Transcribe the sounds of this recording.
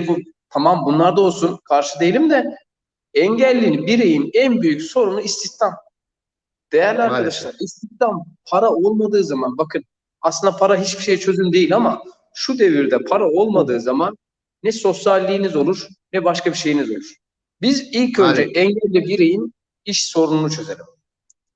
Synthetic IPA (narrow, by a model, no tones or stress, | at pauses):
bu | t̪ʰamambunlˠaɾd̪aolˠsunkʰaɾʃɯd̪ejlʲimd̪ɛ | ɛɲɟælʲːinibiɾejinænbyjycso̞ɾunuist̪ʰiçt̪ʰam | d̪̥e̞jæɾlʲaɾkad̪aʃlˠaɾist̪ʰiçt̪ʰampʰaɾao̞lˠmad̪ɯːzamanbakʰɯn | asɯnd̪apʰaɾaɦit͡ʃbiʃe̞jt͡ʃʰø̞zymd̪e̞jilʲama | ʃud̪e̞viɾd̪ɛpʰaɾao̞lˠmad̪ɯːzamanː | ɛso̞sjalʲːijːnizo̞lˠuɾ̥nɛbaʃkabiɾʃe̞jinizo̞lˠuɾ̥ | bizilʲcø̞nd͡ʒɛʔɛɲɟælʲːibiɾejin | iʃso̞ɾununut͡ʃʰø̞zelʲim